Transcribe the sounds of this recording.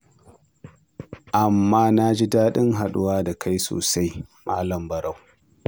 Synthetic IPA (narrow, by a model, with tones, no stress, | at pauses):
ʔa˨mːaː˦na˦d͡ʒi˦daː˦ɗɪ˦ŋɦa˨ɗʊ˦waː˦da˨kʰa˦jso̰ː˨sa˦jmaː˦lɐ˨mbɐ˨ɾa˦˨w